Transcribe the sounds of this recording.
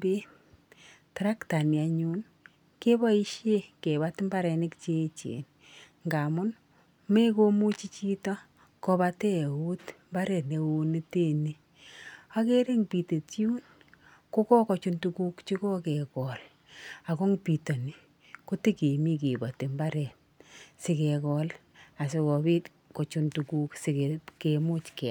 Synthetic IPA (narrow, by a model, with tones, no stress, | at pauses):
be˦ | tɾa˦kta˨nja˨ɲu˦n | ke˦bɔ˦i˦ʃje˦ke˨ba˦tmba˦ɾɛ˨nɪ˦kt͡ʃe˦t͡ʃḛ˨n | ŋɡa˨mʊ˦n | me˦ko˦mu˦t͡ʃi˦t͡ʃi˦tɔ˦ | kɔ˧ba˧te˦˨u˦tmba˦ɾe˨ne˨o˨ni˦te˦ni˨ | a˦ke˦ɾe˦ŋpi˨te˨tju˦n | ko˦kɔ˦kɔ˨t͡ʃu˦ntu˨ku˦kt͡ʃi˦kɔ˦kɛ˨kɔ˨l | a˨kɔ˦ŋpi˨to˨ni˨ | ko˦ti˦ke˨mi˦ke˨ba˨te˨mba˦ɾɛ˨t | sɪ˨kɛ˨kɔ˦l | a˨se˧kɔ˨bi˦t | kɔ˨t͡ʃu˨ntu˨ku˦ksɪ˨keke˨mu˦t͡ʃkɛ˨